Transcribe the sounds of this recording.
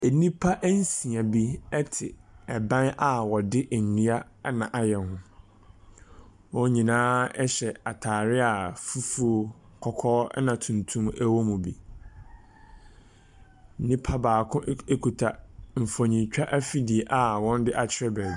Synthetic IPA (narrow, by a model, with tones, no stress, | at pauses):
e˨nĩ˦pʰa˦ʔn̩˦sĩ˨a˨bi˦ɛ˦tʰɪ˨ɛ˨bã˦nʔa˨wɔ˨dɪ˦ʔnũ˦a˦nã˨ʔa˦˨jɛ˨nɦʊ̃˦ | wɔ̃˦ɲĩ˨nãː˦ɛ˦ɕɛ˨a˨tʰaː˨ɾɪ˦a˨fu˦fu˦o˦kʰɔ˨kʰɔː˦ɛ˦nã˨tʰũ˨ntʰũ˦mæ˦wo˦mũ˨bi˦ | n̩˨nĩ˦pʰa˦baː˨kʰʊ̃˦e˦kʰu˨tʰa˨m̩˨fɔ˨ɲĩ˨t͡ɕᶣa˦ʔæ˦fi˦di˨e˨ʔa˨wɔ̃˦n˦dɪ˦ʔa˦˨t͡ɕʰɪ˦ɾɛ˦bɛ˨